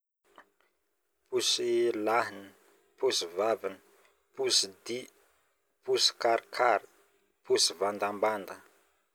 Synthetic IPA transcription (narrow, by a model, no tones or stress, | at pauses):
pusilaɦinə | pusivavinə̥ | pusid̪i | pusi̥kaɾkʰaɾi̥ | pusivand̪amband̪ə